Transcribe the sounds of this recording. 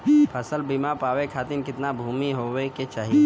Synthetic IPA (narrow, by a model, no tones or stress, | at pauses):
pʰɐsəlbiːmapaːʋekʰaːt̪ɪnkɪt̪nabʱuːmiɦoweket͡ʃaːɦie